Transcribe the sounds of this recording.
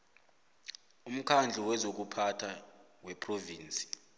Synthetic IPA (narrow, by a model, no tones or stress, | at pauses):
um̩kʰand͡ɮʱiwɛzok̬upʰatʰa | wɛpʰʼroviːnt͡sʼi̥